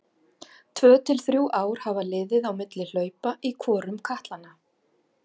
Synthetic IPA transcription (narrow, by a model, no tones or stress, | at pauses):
t̪ʰvœːt̪ʰɪlθɾjuːʔaːwɾ̥havalɪːðɪðawmɪt̪lɪl̥œːɥpaʔikʰɔːɾʏmkʰaht̪lanːa